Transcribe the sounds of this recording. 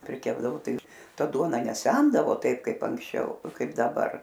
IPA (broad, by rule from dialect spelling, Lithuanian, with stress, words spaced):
pʲrʲɪˈkʲæːbdɐʋoː ˈtɐɪ ɪr ˈtɐ ˈduɔnɐ nʲɛˈsʲɛndɐʋoː ˈtɐɪp ˈkɐɪp ɐŋksʲˈt͡ʃʲɛʊ ˈkɐɪp dɐˈbɐr